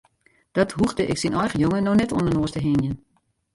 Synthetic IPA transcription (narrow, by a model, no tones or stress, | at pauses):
d̥ɔthuχdəʔɪ̰ksinʔɔjχəjoŋənɔxnɛto̰nənoəstəɦɪnjən